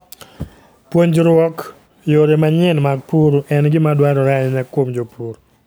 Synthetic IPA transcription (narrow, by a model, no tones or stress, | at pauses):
pwoɲd͡ʒɾwɔk | joɾemaɲɪnmaɡ̚puɾuʔɛnɡɪmadwaɾɔɾaɲnɛkwomd͡ʒopuɾ